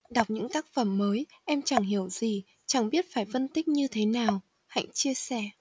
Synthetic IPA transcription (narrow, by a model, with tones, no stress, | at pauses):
ɗa˨˩wk͡p̚ɲɨ̰˧˥ŋt̪aː˦˥k̚fə˧˩mːəː˨˦jʔɛ˧mt͡ɕa˧˩ŋɦi˧˩əwzi˨˩ | t͡ɕa˨˧˩ŋɓi˦˥ət̚faː˧˩jfə˧nt̪ï˦˥k̟̚ɲɨ˧t̪ʰe˨˦naː˨˩w | ha̰˧˨jŋ̟t͡ɕi˧əsɛ˧˩